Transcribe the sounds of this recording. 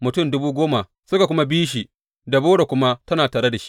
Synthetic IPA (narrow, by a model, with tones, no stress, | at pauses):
mʊ˨tʊ˦˨mdʊ˦buː˦ɡʷoː˦ma˨ | sʊ˦ka˨kʷʊ˦ma˦biː˦ʃ̬i˨ | da˨boː˦ɽa˨kʷʊ˦ma˦tɐ˦naː˨taː˨ɽe˦da˨ʃi̥˦